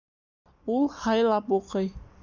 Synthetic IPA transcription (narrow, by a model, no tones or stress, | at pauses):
ulˠhɑjlˠɑpuqɤj